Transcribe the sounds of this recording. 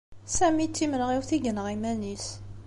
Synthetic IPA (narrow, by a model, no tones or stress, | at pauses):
sæmit͡sːimənʁiwθiɡənʁimænis